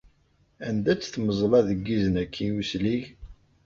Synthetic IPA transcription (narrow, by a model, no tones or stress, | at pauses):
ænd̪æt͡sːθməzˤlɑðəɡːizənækʰːijusliʝ